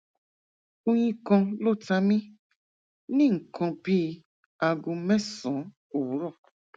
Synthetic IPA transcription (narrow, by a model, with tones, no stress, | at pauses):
o˦ɲĩ˦kɔ̃˧lo˦˨ta˦mĩ˦ | nĩ˦ŋ̩˨kʰɔ̃˧bi˦ | a˧ɡũ˧mɛ˦sɔ̃˨˦ | o˨˦ɾɔ˦˨